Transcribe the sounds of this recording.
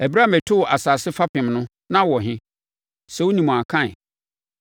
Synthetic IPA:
æ˨bɾa˦mɛ˨tʰʊ˦wɔ˨ʔa˨saː˨sɪ˦fa˦pʰɪ̃˨mnʊ̃˦ | nã˦wɔ˨ɦɪ̃˦ | sɛ˨wo˦nĩ˨m̃˨a˨kʰã˦ɪ˨

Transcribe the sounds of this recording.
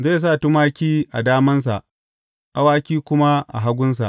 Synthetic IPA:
ze˦˨s̬a˦˨tu˦maː˦kʲiː˦ʔa̰˨daː˦mɐ˦ns̬a̰˨ʔ | ʔa˦waː˦kʲiː˦kʷʊ˦ma˦ʔa̰˨ɦa˦ɡʷʊ˦ns̬a̰˨ʔ

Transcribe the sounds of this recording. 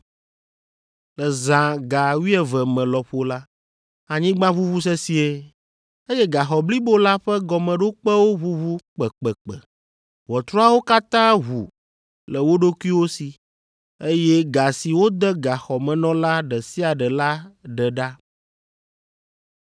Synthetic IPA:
lɛ˨zã˨ɡa˨wi˦ɛ˨vɛ˨mɛ̃˨lɔ˨ɸo˦la˦ | a˨ɲĩ˦ɡ͡bã˦βu˦βu˦s̬ɛ˦si˨e˦ | e˦jɛ˦ɡa˨xɔ˨bli˦bo˦la˦ɸɛ˦ɡɔ˨mɛ̃˨ɖo˦k͡pɛ˦wo˦βu˦βu˦k͡pɛ˨k͡pɛ˨k͡pɛ̰˨ | wɔ˨t̪ɾɔ˦a˦wo˦ka˦t̪ã˦ɦu˨ | lɛ˨wo˦ɖo˦kʷu˦i˦wo˦si˨ | e˦jɛ˦ɡa˨si˨wo˦d̪ɛ˦ɡa˨xɔ˨mɛ̃˨nɔ̃˦la˦ɖɛ˨si˦a˨ɖɛ˨la˦ɖɛ˨ɖa˦

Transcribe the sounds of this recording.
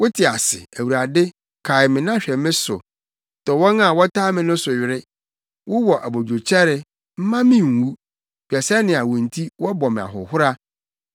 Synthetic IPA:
wʊ˦tʰɪ˨a˨sɪ̰˨æ˨wu˨ɾa˨dɪ˦ | kʰa˨ɪ˨mɪ̃˨nã˦ɕᶣɛ˨mɪ̃˦sʊ̰˨ | tɔ˨wɔ̃˦na˦˨wɔ˦tʰaː˦mɪ̃˨nʊ̃˦sʊ˨ɥɪ˨ɾɪ˦ | wʊ˦wɔ˨ʔæ˨bo˨d͡ʑᶣo˨t͡ɕʰɛ˦ɾɪ˨ | m̩˦mã˦mɪ̃˦ŋ̩˨wu˦ | b̥i˨ɛ˨sɛ˦nɪ̃˨a˨wʊ̃˨n̩˨tʰi˦wɔ˦bɔ˨mɪ̃˨a̰˨ɦʊ̰˨hʊ˦ɾa˦

